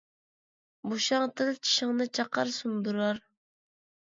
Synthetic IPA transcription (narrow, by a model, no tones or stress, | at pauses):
buʃɑŋt̪ʰɨlt͡ʃʰi̥ʃɪŋnɨt͡ʃʰɑqʰːɑɾsund̪uɾɑɾ